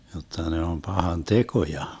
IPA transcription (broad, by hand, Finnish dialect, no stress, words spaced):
jotːɑ ne om pɑhɑn tekojɑ